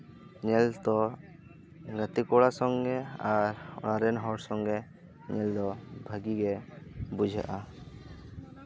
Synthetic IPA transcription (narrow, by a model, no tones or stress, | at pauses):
ɲɛlt̪ɔ | ɡat̪ikɔɽasɔŋɡɛaɾɔ̰naɾɛnɦɔɽsɔŋɡɛ | ɲɛld̪ɔbʱaɡiɡɛbud͡ʒʱa̰ʔa